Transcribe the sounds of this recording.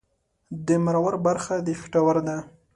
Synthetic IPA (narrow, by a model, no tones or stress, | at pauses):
d̪əmaɾawaɾbaɾxad̪əfɪ̥ʈawaɾd̪a